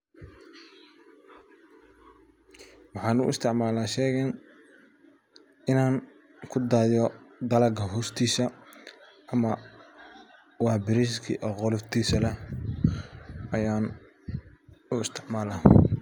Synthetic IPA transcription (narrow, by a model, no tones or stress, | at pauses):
wɑħɑːnʊ̰ʔɪ̰st̪ʰɪʕmaːlaːʃɛːɣɛn | ɪnaːŋ | kʰʊd̪aːðɔd̪ɐlɐɡʰɐɦɔːst̪ʰiːsɐ | ʔɐmɐ | wɑːbɪɾɪskʰḭʔɔqɔlɪft̪ʰiːsɐlɛ | ɐjaːn | ʊɪst̪ʰɪʕmaːlaː